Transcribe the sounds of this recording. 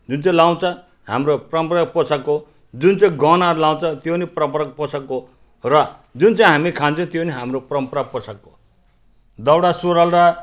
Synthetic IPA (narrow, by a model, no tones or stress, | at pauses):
d͡zunt͡saĩlaw̃t͡sʰʌ̃ | ha̰mroprʌmpraposako | d͡zunt͡saĩɡʌnaɾlaw̃t͡sʰʌ̃t̪joniprʌmpɾʌk̚posako | rʌd͡zunt͡saĩɦamikʰant͡sʰʌ̃t̪joniɦamroprʌmpɾaposako | d̪ʌwɽasuɾalra